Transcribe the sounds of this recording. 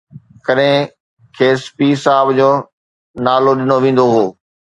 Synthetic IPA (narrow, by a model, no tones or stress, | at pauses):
kɐɗɦɪ̃ | kʰeːspiːsaːɪbd͡ʑoː | naːloɗɪnoʋẽːn̆d̪oɦoː